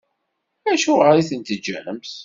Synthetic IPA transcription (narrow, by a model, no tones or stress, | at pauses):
æʃuʁəɾiθənt̪əd͡ʒːænəmθ